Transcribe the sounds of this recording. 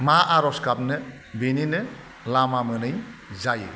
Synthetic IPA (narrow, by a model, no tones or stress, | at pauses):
maʔaɾɔskap̚nɯ | beninɯ | lamamɯnɯjzajɯ̰